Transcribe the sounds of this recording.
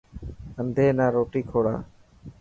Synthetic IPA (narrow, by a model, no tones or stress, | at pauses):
ənd̪ʱeːnaːɾoːʈiːkʰoːɽa̰ː